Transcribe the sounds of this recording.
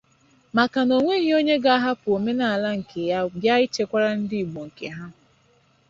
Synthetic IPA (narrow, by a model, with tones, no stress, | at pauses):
ma˨ka˨no˨ŋʷe˦ɣi˦o˦ɲe˦ɡa˦a˦ɦa˦pʊ˨o˨me˦na˨a˨la˦ŋ̩˨ke˨ja˦bja˦ɪ˦t͡ʃe˦kʷa˦ɾa˦n̩˦dɪ˦i˨ɡ͡bo˨ŋ̩˨ke˨ɦa˦